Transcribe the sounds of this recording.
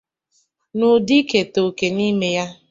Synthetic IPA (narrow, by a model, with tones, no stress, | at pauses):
nʊ˨di˦ke˨to˨ke˨ni˦me˦ja˦